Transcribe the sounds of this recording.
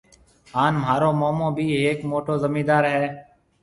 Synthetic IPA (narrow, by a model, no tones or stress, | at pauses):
ɦaːnm̤aːɾoːmoːmõːbʱiːɦeːkmoːʈoːzəmiːd̪aːɾɦɛː